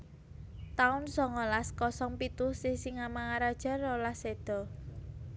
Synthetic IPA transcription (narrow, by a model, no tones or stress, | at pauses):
t̪aʊnsɔŋɔlaskɔsɔŋpit̪ʊhsisiŋamaŋaɾad̥ʒ̥a̤rolased̪̥ɔ̤